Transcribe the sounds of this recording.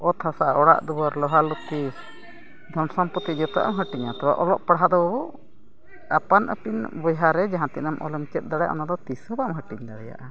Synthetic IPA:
ɔt̪ʰasaɔɽa̰ʔd̪ubaɾlɔɦalut̪i | d̪ʱɔnsɔmpɔt̪id͡ʒɔt̪ɔaʔa̰mɦəʈiɲat̪ɔba̰ʔɔlɔʔpaɽɦad̪ɔbabɔ | apanʔə̰pinbɔjɦaɾɛd͡ʒaɦãt̪ɛnamʔɔ̰lɛmt͡ʃɛt̪̚ˀd̪aɽɛja̰ʔɔ̰nad̪ɔt̪isɔbamɦəʈiɲd̪aɽɛja̰ʔa

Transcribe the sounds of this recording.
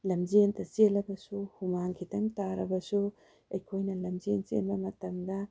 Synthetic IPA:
lɐmzentɐselɐbɐsuhumaŋkʰitɐŋtaɾɐbɐsu | ɐjkʰojnɐlɐmzensḛnbɐmɐtɐmɡɐ

